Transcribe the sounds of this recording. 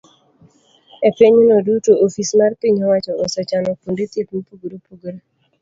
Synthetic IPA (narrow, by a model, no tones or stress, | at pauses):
epiɲnɔdutoʔofismarpiɲɔwat͡ʃɔɔsɔt͡ʃanɔkondet̪etmipuɡɾopuɡɾo